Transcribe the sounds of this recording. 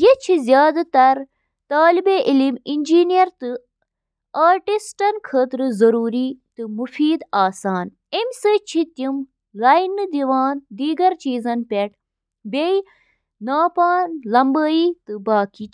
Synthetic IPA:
jet͡ʃʰizjaːd̪ɐt̪ɐɾ | t̪aːlibeʔiliminʲd͡ʒiːnijɐɾt̪ɨ | aːɾʈisʈɐnkʰəːt̪ɾɨzɐɾuːɾit̪ɨmufiːd̪aːsaːn | emsət͡ʃʰit̪im | lɐjnɨd̪iʋaːnd̪iːɡɐɾt͡ʃiːzɐnpʲeʈ | bei | naːpaːnlɐmbəːiːt̪ɨbaːki

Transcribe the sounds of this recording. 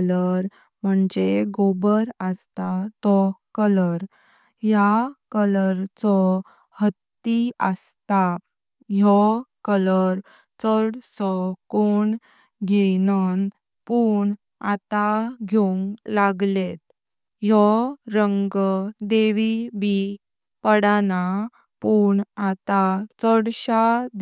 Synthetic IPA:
ləɾ | m̤əɳd͡ʑeɡobəɾəst̪at̪ɔkələɾ | jakələɾt͡sɔ | hət̪ːiəst̪a | jɔkələɾ | t͡səɽsɔkoɳ | ɡʱenən | puɳ | at̪aɡʱjoŋɡlaɡlet̪̚ | jɔɾəŋɡəd̪eʋibi | pəɽana | puɳat̪at͡səɽɕad̪

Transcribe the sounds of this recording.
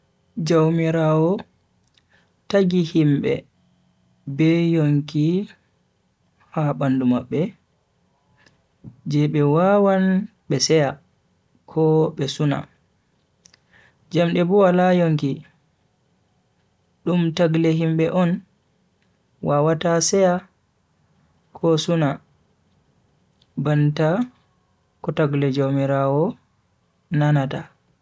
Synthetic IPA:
d͡ʒawmiɾawɔ | taɡihimɓɛ̰ | bɛjoŋki | haɓandumaɓːɛ | d͡ʒɛɓɛwawan | ɓɛsɛja | kʰɔɓɛsuna̰ | d͡ʒamɗɛbuwalajoŋki | ɗumtaɡlɛɦimɓɛʔɔn | wawatasɛja | kʰɔsuna | banta | kɔtaɡlɛd͡ʒomiɾaːwɔ | nanata

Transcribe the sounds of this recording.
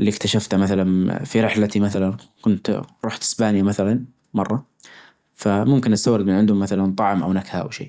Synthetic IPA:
ʔlːiːkt̪aʃaft̪hamaθalanfiɾɪħlat̪imaθalankʊnt̪ɾˤuːħt̪ɪ̥sbaːnjamaθalan | mɑrˤːɑ | famʊmkɪnʔast̪awɾɪd̪mɪnʕɪnd̪hʊmːaθalant̪ˤɑʕmʔa̰wnakhaʔa̰wʃḛː

